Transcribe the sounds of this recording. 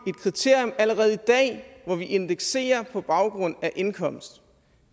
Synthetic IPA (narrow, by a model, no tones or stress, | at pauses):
e̝d̥̚kʰʁit͡sʰe̝ɐ̰jɔ̽mæləʁɛːð̞̩ˠid̥ɛ̰ːʋɒʋiʔe̝nd̥eɡ̥se̝̰ːɐpʰɒ̽b̥ɑ̈ʊɡ̥ʁɔ̽n̰æʔe̝nkʰɒ̽m̰sd̥